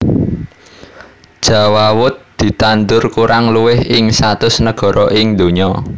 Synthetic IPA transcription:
d̥ʒ̥a̤wawʊt̪̚d̪̥i̤t̪and̪ʊrkuɾaŋluwɪhɪŋsat̪ʊsnəɡ̥ɔ̤ɾɔʔɪŋd̪o̤ɲɔ

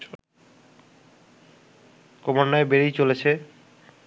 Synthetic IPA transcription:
komaɾnːaebeɾijt͡ɕolet͡ɕʰe

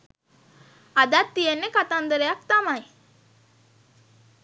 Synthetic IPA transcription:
ad̪at̪ːijenːekat̪and̪əɾəjak̚t̪amaj

